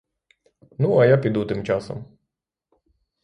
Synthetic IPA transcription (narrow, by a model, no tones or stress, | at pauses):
nuɐjapʲid̪ut̪ɪmt͡ʃasɔ̰m